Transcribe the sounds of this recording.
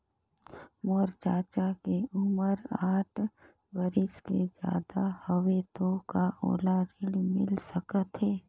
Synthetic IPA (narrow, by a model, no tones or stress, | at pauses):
moːɾt͡ʃaːt͡ʃakeʊməɾaːʈʰ | bəɾɪsked͡ʒja̰ːd̪ahəʋet̪okaʔo̰ːlaɾɪɽmɪ̰lsəkət̪ɦeː